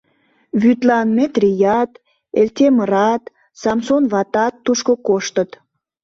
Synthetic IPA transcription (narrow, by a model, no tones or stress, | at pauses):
βyt̪lɑnmet̪rijɑt̪ | elt̪ʲeməɾɑt̪ | sɑmsonβɑt̪ɑt̪ːuʃkokoʃt̪ət̪